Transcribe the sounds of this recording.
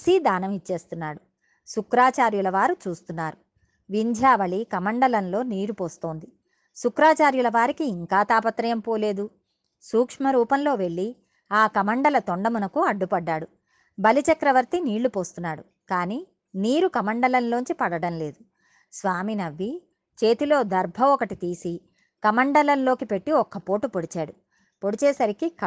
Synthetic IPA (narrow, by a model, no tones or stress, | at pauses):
sid̪aːnɐmit͡ʃːe̞ːst̪unːaːɽu | sukɾaːt͡ʃaːɾjulɐʋaːɾut͡ʃuːst̪unːaːɾu | ʋiɲd͡ʒʱaːʋɐɭikɐmɐɳɖɐlɐnlo̞ːniːɾupo̞ːst̪o̞ːnd̪i | sukɾaːt͡ʃaːɾjulɐʋaːɾikiːŋkaːt̪aːpɐt̪ɾɐjɐmpo̞ːle̞ːd̪u | suːkʂmɐɾuːpɐnlo̞ːʋe̞ɭːi | aːkɐmɐɳɖɐlɐt̪oɳɖɐmunɐkuɐɖːupɐɖːaːɽu | bɐlit͡ʃɐkɾɐʋɐɾt̪iniːɭːupo̞ːst̪unːaːɽu | kaːniː | niːɾukɐmɐɳɖɐlɐnlo̞ːɲt͡ʃipɐɽɐɽɐnle̞ːd̪u | sʋaːminɐʋːi | t͡ʃeːt̪ilo̞ːd̪ɐɾbʱɐɔkɐʈit̪iːsi | kɐmɐɳɖɐlɐnlo̞ːkipe̞ʈːiɔkɐpo̞ːʈupoɽit͡ʃaːɽu | po̞ɽit͡ʃɛːsɐɾikik